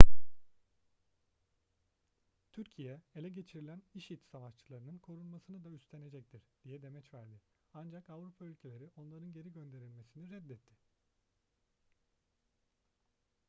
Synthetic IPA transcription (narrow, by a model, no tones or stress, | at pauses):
t̪ʰyɾcʰijɛelʲɛɟe̞t͡ʃʰiɾilʲæniʃit̪savat͡ʃt͡ʃʰɯlˠaɾɯnɯnkʰo̞ɾunˠmasɯnɯd̪ayst̪ʰe̞ne̞d͡ʒɛc̚t̪ʰiɾd̪̥ijɛd̪e̞mɛt͡ʃvæɾd̪ɪ | and͡ʒakavɾupʰaylʲcʰe̞lʲe̞ɾiʔo̞nlˠaɾɯnɟe̞ɾiɟø̞nd̪e̞ɾilʲme̞siniɾɛd̪ːɛt̪ʰːɪ